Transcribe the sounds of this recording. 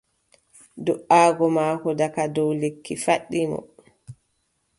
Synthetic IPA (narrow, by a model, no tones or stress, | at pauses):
dɔʔaːɡɔmaːkɔdakadɔwlekʰːifaɗːimɔ̰